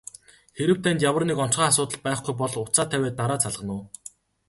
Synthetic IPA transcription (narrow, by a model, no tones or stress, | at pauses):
xeɾɘ̆wt̪ʰæːnt̪jawə̆rnekɔn̥t͡ɕχaːas̬ʊːt̪ə̆ɮpæːχɡujp̬ɔɮʊt͡saːt̪ʰæweːt̪ːaɾaːt͡sʰaɮʁə̆nʊ̆ː